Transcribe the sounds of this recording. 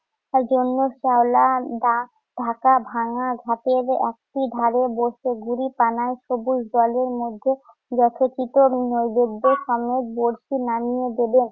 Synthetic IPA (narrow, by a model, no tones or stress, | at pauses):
ɛɾd͡ʑonːoʃaolad̪a | ɖ̥ʱakabʱaŋaɡʱat̪eɾɛ̰k̚ʈiɖʱaɾeboɾʃeɡuɾipanaeʃobuʃd̪ɔleɾmod̪ʱːe | d͡ʑɔt̪ʰet͡ɕit̪onojbed̪ːoʃɔmed͡ʑboɾʃinanijed̪eben